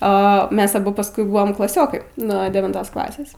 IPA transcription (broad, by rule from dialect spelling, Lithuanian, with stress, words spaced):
oː ˈmʲɛs ɐˈbʊ pɐsˈkʊɪ ˈbʊʋoːm klˠɐˈsʲoːkɐɪ nuɔ dʲɛʋʲɪnˈtoːs ˈklˠɑːsʲeːs